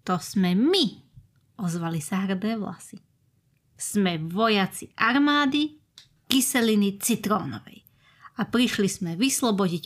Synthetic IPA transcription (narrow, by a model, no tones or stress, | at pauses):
t̪ɔsmɛmi | ɔzʋalisaɦr̩d̪ɛːʋla̰si | smɛʋɔjat͡siʔaɾmaːd̪i | kisɛlinit͡sit̪ɾɔ̰ːnɔ̰ʋɛ̰j | apɾiʃlizmɛʋislɔbɔɟic